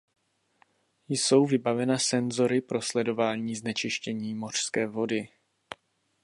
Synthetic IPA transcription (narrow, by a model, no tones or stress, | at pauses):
jso̞wvɪbavɛnasɛnzo̞ɾɪpɾo̞slɛdo̞vaːɲiːznɛt͡ʃɪʃcɛɲiːmo̞r̝̥skɛːvo̞dɪ